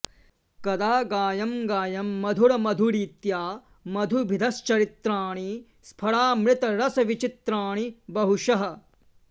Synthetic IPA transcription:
kɐd̪aːɡaːjɐmɡaːjɐmːɐd̪ʱuɽɐmɐd̪ʱuɾiːt̪jaː | mɐd̪ʱubʱid̪ʱɐst͡ʃɐɾit̪ɾaːɳ̃i | spʰɐɭaːmɾɪt̪ɐɾɐsɐʋit͡ʃit̪ɾaːɳibɐɦuʃɐɦɐ̆

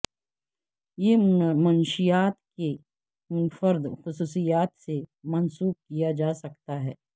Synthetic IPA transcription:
jemɐnʃijaːt̪ke | fɐɾd̪xʊsuːsijaːt̪semɐnsuːb̚kijad͡ʒaːsɐkt̪aɦɛː

